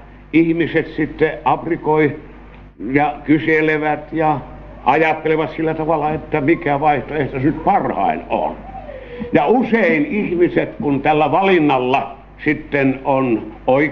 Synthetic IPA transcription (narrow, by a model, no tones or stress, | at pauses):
ihmiset̪sit̪ːeʔɑprikoi | jɑkyseleʋæt̪jɑ | ʔɑjɑt̪ːeleʋɑt̪silːæt̪ɑʋɑlːɑet̪ːæmikæʋɑiht̪oeht̪æsnyt̪pɑrhɑ̰ˑino̰n | jɑuseinihmiset̪kunt̪ælːæʋɑlinːɑlːɑ | sit̪ːenonoi